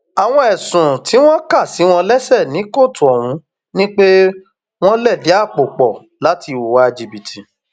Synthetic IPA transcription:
a˨w̃ɔ̃˦ɛ˨sũ˨ti˨˦w̃ɔ̃˦ka˦˨si˨˦w̃ɔ̃˧lɛ˦sɛ˦˨nĩ˨˦ko˦˨tũ˨ɔ˨w̃ũ˨˧˦ | nĩ˦k͡pe˦ | w̃ɔ̃˦lɛ˦˨di˨˦a˦˨k͡po˨k͡pɔ˨ | la˨˦ti˧˨wo˨wa˦e˧d͡ʒi˧bi˨tʰi˨

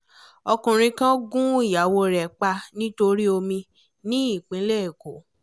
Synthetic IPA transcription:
ɔ˧kũ˨ɾ̃ĩ˧kã˦ɡũ˦i˦˨ja˨wo˧ɾɛ˨k͡pa˧nĩ˦to˧ɾi˦o˧mĩ˧ | nĩ˦i˦˨k͡pĩ˨˦lɛ˦e˨ko˨˦

